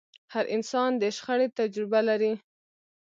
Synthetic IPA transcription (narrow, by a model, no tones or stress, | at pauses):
haɾʔɪnsɑnd̪əʃxəɽet̪ad͡ʒɾɪbalaɾi